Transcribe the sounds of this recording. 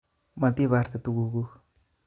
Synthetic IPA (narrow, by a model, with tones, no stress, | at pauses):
mã˧t̪i˦βa˧ɾt̪a˨t̪u˧ɡu˧ɡu˦